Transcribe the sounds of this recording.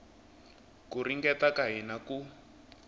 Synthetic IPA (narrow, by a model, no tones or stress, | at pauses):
kuriŋɡɛtakaɦinaku